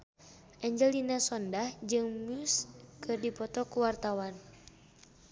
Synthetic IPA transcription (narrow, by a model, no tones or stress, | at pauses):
ʔɛɲd͡ʒɛlinasɔndahd͡ʒɨŋmuskʰɨrdipɔt̪ɔkuwart̪awan